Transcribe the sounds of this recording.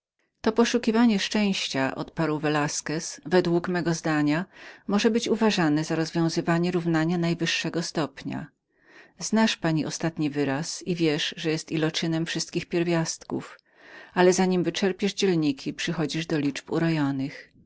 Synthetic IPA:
t̪ɔpɔʂukʲivaɲɛʂt͡ʂɛ̃w̃ɕt͡ɕaʔɔ̰t̪̚paɾwvɛlaskɛsvɛd̪wukmɛɡɔzd̪aɲamɔʐɛbɘt͡ɕuvaʐanɛzaɾɔzvʲjɔ̃w̃zɘvaɲɛɾuvnaɲanajvɘʂːɛɡɔst̪ɔpɲa̰ | znaʂpaɲiʔɔst̪at̪ɲivɘɾasivʲjɛʂʐɛjɛst̪ilɔt͡ʂɘnɛmfʂɘst̪kʲixpʲjɛɾvʲjast̪kṵf | alɛzaɲimvɘt͡ʂɛɾpʲjɛʐd͡ʑɛlɲikʲʰipʂɘxɔd͡ʑiʐd̪ɔlʲit͡ʂpṵɾɔjɔnɘx

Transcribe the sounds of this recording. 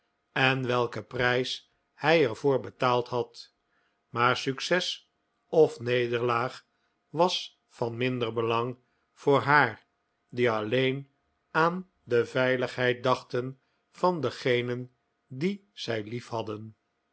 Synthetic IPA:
ɛnʋɛlˠkəprɛjs | hɛjɛɹvʊːɹbətaːlˠtɦɑt | maːɹsyksɛs | ɔfnejdəɹlaːχ | ʋɑs | fɑnmɪndəɹbəlɑŋ | v̥ʊːɹɦaːɹ | diɑlejn | aːn | dəvɛjləχɦɛjt̚dɑχtən | vɑndəχejnən | diz̥ɛjlifɦɑdən

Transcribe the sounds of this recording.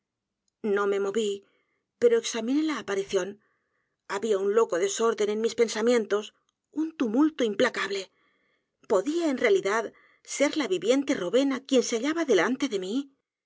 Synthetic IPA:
nõ̞me̞mo̞βi | pe̞ɾo̞eksamĩne̞laːpaɾiθjo̞n | aβiaunlo̞ko̞ðe̞so̞ɾðe̞ne̞nmispe̞nsamjẽ̞nt̪o̞s | unt̪umult̪oimplakaβle̞ | po̞ðiae̞nrealiðað | se̞ɾlaβiβje̞nt̪e̞roβe̞nakje̞nseaʎaβaðe̞lant̪e̞ðe̞mi

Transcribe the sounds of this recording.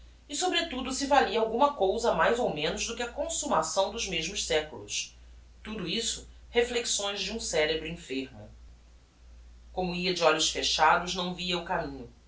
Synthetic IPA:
ɪsobɾɪt̪ud̪ʊsɪvaliɐawɡũmɐkowzɐmajzowmẽnʊzd̪ʊkɪɐkõsumasɐ̃w̃d̪ʊzmeʒmʊʃsɛkulʊ̰s | t̪ud̪ʊisʊ̥ | hefleksõj̃ʒd͡ʒɪũsɛɾebɾʊĩfeɾmʊ̰ | kõmʊiɐd͡ʒɪɔʎʊsfeʃad̪ʊznɐ̃w̃viɐʊkamĩɲʊ

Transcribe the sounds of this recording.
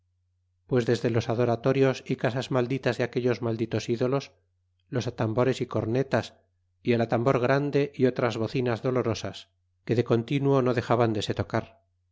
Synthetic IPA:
pwe̞zðe̞zðe̞lo̞saðo̞ɾat̪o̞ɾjo̞sikasazmald̪it̪azðeake̞ʎo̞zmald̪it̪o̞siðo̞lo̞s | lo̞sat̪ambo̞ɾe̞siko̞ɾne̞t̪as | ielat̪ambo̞ɾɣ̞ɾand̪e̞ʔio̞t̪ɾazβo̞θinazðo̞lo̞ɾo̞sas | ke̞ðe̞ko̞nt̪inuono̞ðe̞xaβand̪e̞se̞t̪o̞kaɾ

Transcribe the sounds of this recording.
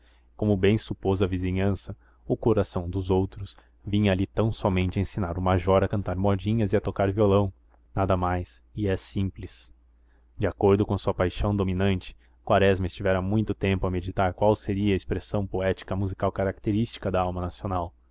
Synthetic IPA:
kõmʊbẽj̃supozɐvizĩɲɐ̃sɐ | ʊkoɾasɐ̃w̃d̪ʊzowt̪ɾʊs | vĩɲɐalit̪ɐ̃w̃sɔmẽnt͡ʃɪẽsinaɾʊmaʒɔɾɐkɐ̃nt̪aɾmɔd͡ʒĩɲɐzɪɐt̪okaɾviolɐ̃w̃ | nad̪ɐmajs | ɪɛsĩmplɪs | d͡ʒɪakoɾd̪ʊkõɐsuɐpajʃɐ̃w̃d̪ominɐ̃nt͡ʃɪ̥ | kwaɾɛzmɐɪst͡ʃivɛɾɐmũj̃t̪ʊt̪ẽmpʊɐmed͡ʒit̪aɾkwawseɾiɐespɾesɐ̃w̃poɛt͡ʃi̥kɐmuzikawkaɾak̚t̪eɾist͡ʃi̥kɐd̪ɐawmɐnasionaw

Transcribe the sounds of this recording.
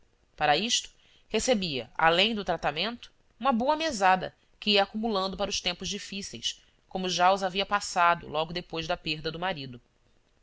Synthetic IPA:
paɾɐiʃt̪ʊ̥ | hesebiɐ̰a̰lẽj̃d̪ʊt̪ɾat̪amẽnt̪ʊ̥ | ũmɐbowɐmezad̪ɐ̰ | kɪiɐakumulɐ̃nd̪ʊpaɾɐʊʃt̪ẽmpʊʒd͡ʒifisḛjs | kõmʊʒaʊzaviɐpasad̪ʊ̰lɔɡʊd̪epojzd̪ɐpeɾd̪ɐd̪ʊmaɾid̪ʊ

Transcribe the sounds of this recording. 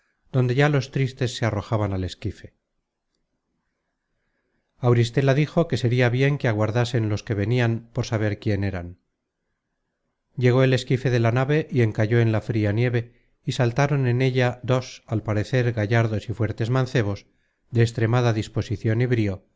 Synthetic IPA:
d̪o̞nd̪e̞ʝalo̞st̪ɾist̪e̞sːe̞aro̞xaβanale̞skife̞ | awɾis̬t̪e̞laðixo̞ke̞se̞ɾiaβje̞ŋkeaɣwaɾðase̞nlo̞ske̞β̞e̞niampo̞ɾsaβ̞e̞ɾkje̞ne̞ɾan | ɟ͡ʝe̞ɣo̞e̞le̞skife̞ðe̞lanaβe̞ʔie̞ŋkaʝo̞e̞nlafɾianje̞βe̞ | isalt̪aɾo̞ne̞ne̞ʎad̪o̞salpaɾe̞θe̞ɾɣaʝaɾðo̞sifwe̞ɾt̪e̞zmãnθe̞β̞o̞z | ðe̞ːst̪ɾe̞maðaðispo̞siθjo̞niβɾio̞

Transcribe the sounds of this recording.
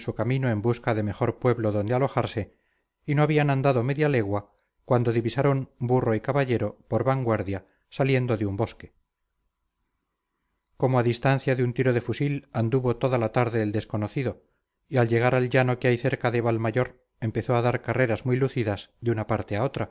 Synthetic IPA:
sukamĩnoe̞mbuskaðe̞me̞χo̞ɾpwe̞βlo̞ðo̞nd̪ealo̞xaɾse̞ | ino̞aβianand̪aðo̞me̞ðjale̞ɣwa | kwand̪o̞ðiβisaɾo̞mburo̞ikaβaʝe̞ɾo̞po̞ɾβaŋɡwaɾðja | salje̞nd̪o̞ðeumbo̞ske̞̥ | ko̞moaðist̪an̟θjaðeunt̪iɾo̞ðe̞fusiland̪uβo̞t̪o̞ðalat̪aɾðe̞ːld̪e̞sko̞no̞θiðo | ialʎe̞ɣ̞aɾalʎano̞keajθe̞ɾkaðe̞βalmaʝo̞ɾ | e̞mpe̞θo̞aðaɾkare̞ɾazmujluθiðazðeunapaɾt̪e̞ao̞t̪ɾa

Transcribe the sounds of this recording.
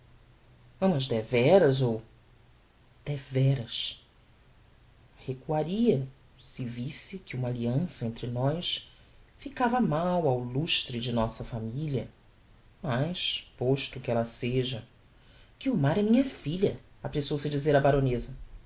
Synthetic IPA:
ɐ̃mɐzd̪ɛvɛɾɐzow | d̪̥ɛvɛɾɐs | hekuaɾiɐ | sɪvisɪkɪũmɐaliɐ̃sɐẽnt̪ɾɪnɔjs | fikavɐmawawluʃt̪ɾɪd͡ʒɪnɔsɐfamilɐ | majʃpoʃt̪ʊkɪɛlɐseʒɐ | kɪʊmaɾɛmĩɲɐfiʎɐapɾesiowsɪd͡ʒizeɾɐbaɾõnezɐ

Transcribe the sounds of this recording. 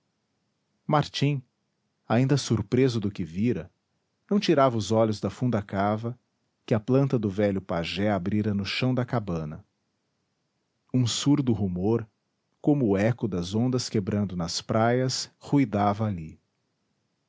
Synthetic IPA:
maɾt͡ʃĩ | aĩnd̪ɐsuɾpɾezʊd̪ʊkɪviɾɐ | nɐ̃w̃t͡ʃiɾavɐʊzɔʎʊzd̪ɐfũnd̪ɐkavɐ | kɪɐplɐ̃nt̪ɐd̪ʊvɛʎʊpaʒɛabɾiɾɐnʊʃɐ̃w̃d̪ɐkabɐ̃nɐ̰ | ũsuɾd̪ʊɦumoɾ | kõmʊːɛkʊd̪ɐzõnd̪ɐskebɾɐ̃nd̪ʊnɐspɾʔajɐshujd̪avɐali

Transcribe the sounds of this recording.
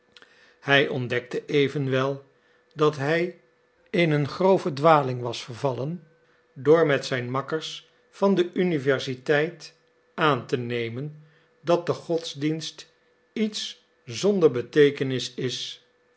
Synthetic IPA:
hɛjʔɔndɛk̚təʔejvənʋɛlˠ | dɑtɦɛj | ɪnənχrowvədʋaːlɪŋʋɑsfəɹvɑlən | dʊːɹmɛtsɛjnmɑkəɹs | fɑndəʔynivɛɹsitɛjt | aːntənejmən | dɑt̚dəχɔtzdinst | its | zɔndəɹbətejkənɪsɪs

